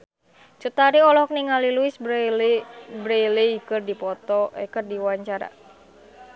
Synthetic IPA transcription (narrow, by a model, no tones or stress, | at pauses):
t͡ʃut̪aɾiɔlɔɔk̚niŋaliluɪsb | bɾelijkɨrdipɔt̪ɔʔɛ̰kɨrdiwaɲt͡ʃaɾa̰